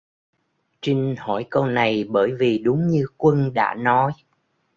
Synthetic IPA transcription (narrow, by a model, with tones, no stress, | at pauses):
t͡ɕi˧ŋ̟hɔ˧˩jko˧wna˨˩jɓəː˧˩jvi˨˩ɗʊ˨˦ŋ͡mɲɨ˧kwə˧nɗa̰ː˧˥nɔ˨˦j